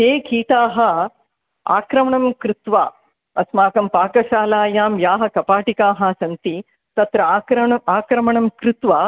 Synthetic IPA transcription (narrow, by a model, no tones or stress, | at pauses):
t̪eːkiːʈ̪aːɦɐ̆ | a̰ːkɾɐmɐɳɐmkɾɪt̪ʋaː | ɐsmaːkɐmpaːkɐʃaːlaːjaːmjaːɦɐkɐpaːʈikaːɦaːsɐnt̪i | t̪ɐt̪ɾɐːkɾɐɐaːkɾɐmɐɳɐmkɾɪt̪ʋaː